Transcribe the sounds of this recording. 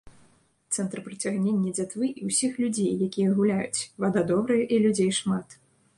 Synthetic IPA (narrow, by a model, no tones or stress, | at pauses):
t̪sɛnt̪rpɾɐt͡sʲaɣnʲenʲːɐd͡zʲat̪vɨʔiwsʲixlʲud͡zʲejːakʲijɐɣulʲajṵt͡sʲvad̪ad̪ɔbɾɨjɐʔilʲud͡zʲejʂmat̪